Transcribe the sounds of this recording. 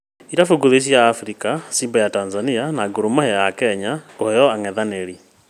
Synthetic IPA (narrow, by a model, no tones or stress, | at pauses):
iɾafuɡuðes̬jaːfɾikasimbajatanzanianaɡuɾumahɛjakɛɲakohɛjɔaŋɛðaneɾi